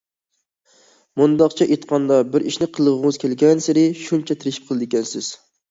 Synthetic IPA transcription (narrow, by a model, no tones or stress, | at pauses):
mund̪ɑqt͡ʃʰɛʔet̪qʰɑnd̪ɑbɪɾiʃnɪqʰəlˠʁʊŋɨz̥kʲʰelɡʲɛnsɪɾɪʃunt͡ʃʰɛt̪ʰɪɾɪʃip̚qʰəlˠɨd̪ɪkʲɛnsɪz̥